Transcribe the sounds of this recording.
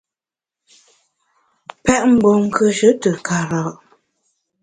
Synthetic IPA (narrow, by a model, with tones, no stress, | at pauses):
pɛ˦˨ʔm̩˨bo˨ŋ̩˦˨kə˨ʃə˦tə˨ka˨ɾa˨ʔ